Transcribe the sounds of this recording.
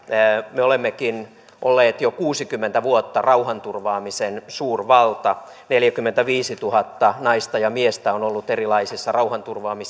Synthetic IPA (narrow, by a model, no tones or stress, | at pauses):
meolemːekin | ʔolːeːt̪jokuːsikymːent̪æʋuot̪ːɑrɑuhɑnt̪urʋɑːmisensuːrʋɑlt̪ɑ | neljækymːent̪æʋiːsit̪uhɑt̪ːɑnɑist̪ɑjɑmiest̪æonolːut̪erilɑisisːɑrɑuhɑnt̪urʋɑːmis